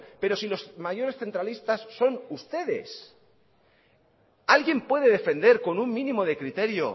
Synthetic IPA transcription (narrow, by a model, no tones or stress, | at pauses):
pe̞ɾo̞silo̞smaʝo̞ɾe̞sθe̞nt̪ɾalist̪asːo̞nust̪e̞ðe̞̰s | alɣje̞mpwe̞ðe̞ðe̞fe̞nd̪e̞ɾko̞nuŋmĩnĩmo̞ð̞e̞kɾit̪e̞ɾjo̞̰